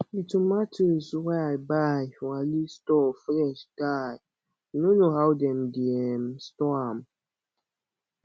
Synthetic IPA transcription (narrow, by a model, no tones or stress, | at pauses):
itumatʰuzwɛajbajwalistɔfnɛʃdaj | nonoɦawdɛ̃mdiɛmstɔam